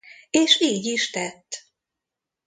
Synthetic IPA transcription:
eːʃiːɟiʃt̪ɛt̪ː

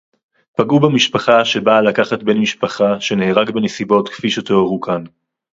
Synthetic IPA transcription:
paɡubamiʃpaχaʃe̞balakaχat̚benmiʃpaχaʃe̞neːʁaɡbe̞nesibo̞tkfiʃot̪oaʁukʰan

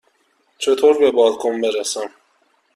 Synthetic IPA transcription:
t͡ʃʰet̪ʰoɾbebɒːlkʰombeɾæsæm

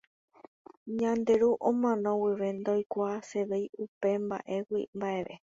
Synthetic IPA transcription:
ɲãnd̪e̞ɾuʔõmãnõwiʋe̞nd̪ojkʷase̞ʋe̞jupe̞mba̰ʔe̞wḭmbaʔe̞ʋe̞

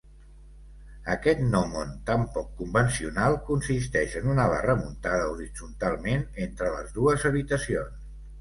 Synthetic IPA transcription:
əkɛt̪nɔmont̪ampɔkːumbənsiunalˠkunsis̬t̪ɛʃənunaβa̰rəmunt̪aðəuɾid͡zunt̪alˠmenent̪ɾələ̰zðuəzəβit̪əsions

